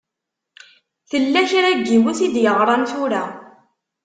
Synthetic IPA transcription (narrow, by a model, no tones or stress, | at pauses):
θəlːæçɾæɡːiwuθid̪jəʁɾˤɑnθʊɾæ